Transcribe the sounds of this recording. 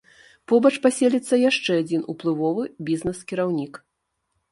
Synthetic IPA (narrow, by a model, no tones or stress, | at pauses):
pɔbɐt͡ʂpasʲelʲit̪sːɐjaʂt͡ʂɛad͡zʲinuplˠɨvɔvɨbʲiznɛskʲiɾawnʲik